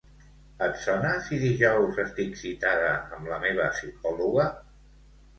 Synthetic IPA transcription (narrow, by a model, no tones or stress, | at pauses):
ət̪sɔnəsiðiʒɔwzəst̪iksit̪aðəːmləmeβ̞əsik̚ɔluɣə